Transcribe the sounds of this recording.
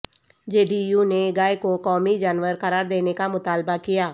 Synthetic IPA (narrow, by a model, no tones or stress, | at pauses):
d͡ʒeːɖijuneɡaːekokɔːmid͡ʒaːnʋəɾkəɾaːɾd̪eːnekamʊt̪aːlbakɪjaː